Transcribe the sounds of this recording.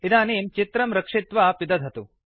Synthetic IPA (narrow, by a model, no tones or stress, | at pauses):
id̪aːneːmt͡ʃit̪ɾɐmɾɐkʂit̪ʋaːpid̪ɐd̪ʱɐt̪u